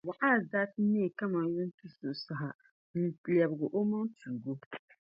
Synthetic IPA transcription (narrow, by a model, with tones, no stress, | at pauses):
wa˨ʔaː˦˨zaː˦ti˦ne˦˨ka˦ma˨˦ju˦n̩˦tu˦so˨sa˨ɦa˨ | n̩˨pli˨a˨bɡʊ˨ʔo˦ma˦tu˨ɡo˦